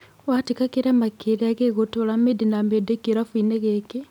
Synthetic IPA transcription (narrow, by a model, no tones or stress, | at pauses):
watikakiɾemakelaɣeɣotolamedinamedekiɾafuineɣeki